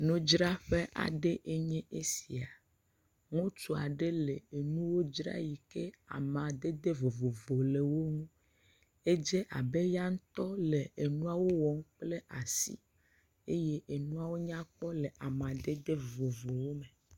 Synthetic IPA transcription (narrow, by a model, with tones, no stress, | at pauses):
nõ˦d͡ʒɾa˦ɸe˦ʔa̰˨ɖe˦ʔe˦ɲɛ̃˦ʔe˦si˨a˨ | ŋũ˦t͡ʃu˨a˨ɖe˦le˨e˨nũ˦wo˦d͡ʒɾa̰˦ji˨ke˦a̰˨mã˨d̪e˦d̪e˦vo˨vo˨vo˨le˨wo˦ŋũ˦ | e˦d͡ʒe˦ʔa̰˨be˦ja˦ŋ̩˦t̪ɔ˦le˨e˨nũ˦a˦wo˦wɔ˨˦ŋ˦k͡ple˦ʔa˨sḭ˦ | e˦je˦ʔe˨nũ˦a˦wo˦ɲ˦ã˦k͡pɔ˦le˨ʔa˨mã˨d̪e˦d̪e˦vo˨vo˨wo˦me˨